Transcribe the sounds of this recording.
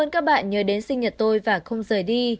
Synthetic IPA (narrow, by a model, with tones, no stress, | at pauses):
əː˧nkaː˦˥k̚ɓa̰ː˧˨nɲəː˨˦ɗe˨˦nsï˧ŋ̟ɲə˨˩t̚t̪o˧jvaː˨˩xə˧wŋ͡mzəː˨˩jɗi˧